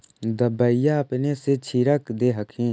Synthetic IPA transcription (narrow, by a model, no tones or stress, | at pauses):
d̪əbəijaɐpneset͡ʃʰiɾəkd̪eɦəkʰĩː